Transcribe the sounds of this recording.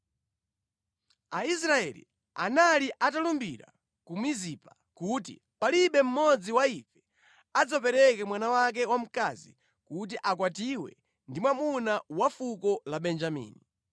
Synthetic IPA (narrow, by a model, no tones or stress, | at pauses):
ais̬ɾaɛlḭ | analiʔatalumbiɾa̰ | kumizipa | kut̬ḭ | paliɓɛm̩mɔd͡ziwaifɛ̥ | ad͡zapɛɾɛkɛmwanawak̬ɛwam̩kazḭ | kut̬iʔakwatiwɛ̰ | ndimwamunawafukɔlaɓɛnd͡ʒamḭːni